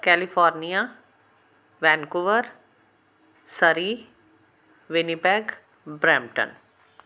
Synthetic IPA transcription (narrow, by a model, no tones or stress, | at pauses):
kɛːlifɔːɾnija | ʋɛ̃ːnkuʋəɾ | səɾi | ʋɪnipɛːɡ | bɾɛ̃ːmʈə̰n